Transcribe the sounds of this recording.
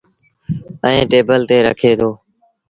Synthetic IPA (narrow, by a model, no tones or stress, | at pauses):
ə̃ẽːʈeːbəlt̪eːɾə̰kʰeːt̪ʰoː